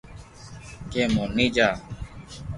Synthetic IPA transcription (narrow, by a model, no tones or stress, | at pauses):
keːmoːniːd͡ʒaː